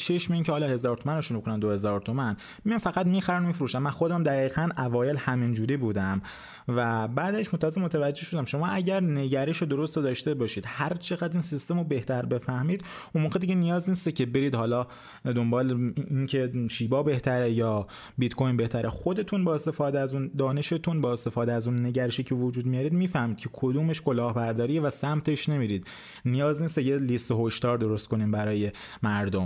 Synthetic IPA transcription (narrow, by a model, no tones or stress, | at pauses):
t͡ʃʰe̞ʃmeiːncʰehɒːlɒːhe̞zɒːɾt̪ʰomæneʃunekʰonænd̪ohe̞zɒːɾt̪ʰomæn | mijɑmfæɣæt̪miːxæɾænomifɾuːʃæmːænxo̞d̪æmd̪æɣiːɣænævɒːje̞lhæmind͡ʒuːɾiːbuːd̪æm | væbæːd̪æʃmot̪ʰæzemot̪ʰævæd͡ʒːe̞hʃo̞d̪æmʃo̞mɒːæɟæɾne̞ɟæɾeʃod̪oɾost̪od̪ɒːʃt̪e̞bɒːʃiːd̪hæɾt͡ʃʰe̞ɣæd̪iːnsist̪e̞mobe̞ht̪ʰæɾbe̞fæhmiːd̪ | unmoːʁɣed̪iɟenijɒːzniːst̪ecʰe̞be̞ɾiːd̪hɒːlɒː | d̪o̞mbɒːleincʰe̞ʃiːbɒːbe̞ht̪ʰæɾejɒː | bit̪kʰo̞jnbe̞ht̪ʰæɾʔexo̞d̪e̞t̪ʰuːnbɒːest̪e̞fɒːd̪eæzuːnd̪ɒːne̞ʃet̪ʰunbɒːest̪e̞fɒːd̪eæzuːnːe̞ɟæɾeʃiːcʰevod͡ʒuːd̪mijɒːɾiːd̪miːfæhmiːd̪kʰe̞kʰod̪uːmeʃko̞lɒːhbæɾd̪ɒːɾijevæsæmt̪ʰe̞ʃne̞miːɾiːd̪ | nijɒːzniːst̪ejelist̪eɦoʃd̪ɒːɾd̪o̞ɾo̞st̪ko̞niːmbæɾɒːje̞ | mæɾd̪om